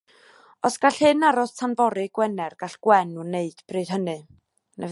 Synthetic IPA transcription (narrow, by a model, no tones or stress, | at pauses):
ɔsɡ̥aɬhɨnaɾɔstʰanvɔɾɨɡwɛnɛrɡ̥aɬɡ̥wɛnuneɨd̥b̥rɨð̥ɦənɨ | nɛv